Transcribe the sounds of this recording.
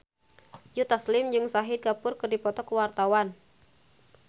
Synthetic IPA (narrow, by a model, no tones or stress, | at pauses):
jut̪aslɪmd͡ʒɨŋsaɦɪd̪̚ɡapʊrkɨrdipɔt̪ɔkəwart̪awan